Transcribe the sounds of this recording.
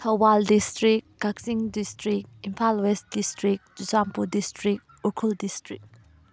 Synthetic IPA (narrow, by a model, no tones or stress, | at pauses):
tʰɐwwaldistɾik̚kaksiŋdistɾik̚impʰalwest̚distɾik̚d͡ʒusampudistɾik̚ | ukʰuldistɾik̚